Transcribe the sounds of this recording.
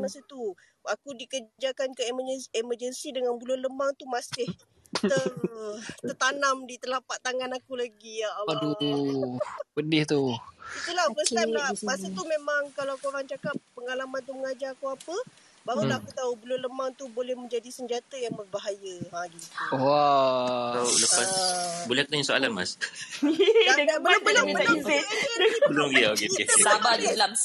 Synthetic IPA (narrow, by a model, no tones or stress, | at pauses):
masət̪u | akudikəd͡ʒakankəeməɛməd͡ʒənsidəŋanbəlʊnləmaŋt̪umasɪh | t̪ə | t̪ərt̪anamdit̪əlapaʔt̪aŋanakulaɡiaauu | pədɪht̪uiulapəst̪amlamasət̪umemaŋkalaakuoɾaŋt͡ʃakap̚pːəŋalamant̪̬uməŋad͡ʒaakuapə | baɾulahakut̪aubəlʊnləmãŋt̪ubolɛhmə̃ɲd͡ʒadisəɲd͡ʒat̪əjaŋbərbaɦajəãɡioa | auləpasbolɛhakut̪aɲasoa̰lanma̰s | daaabəlabəlaŋiaizɪbəloɡiaokeesabaila